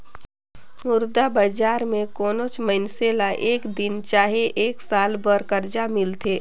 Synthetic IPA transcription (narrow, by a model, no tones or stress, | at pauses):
mʊɾd̪abəd͡ʒaːɾmẽkoːnot͡ʃmənselaʔeːkd̪ɪnt͡ʃaːɦeʔeːksaːlbəɾkəɾd͡ʒamɪlt̪ʰeː